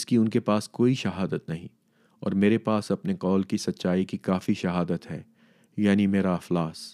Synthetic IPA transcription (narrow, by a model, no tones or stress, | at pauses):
skiʊnkepaːskoːiʃɐɦaːd̪ət̪nɐɦḭ̃ | ɔ̰ːɾmeːɾepaːsɐpneqɔːlkisɐtːʃaːikikaːfiʃɐɦaːd̪ət̪ɦɛ̰ː | jaːnimeːɾaɐflaːs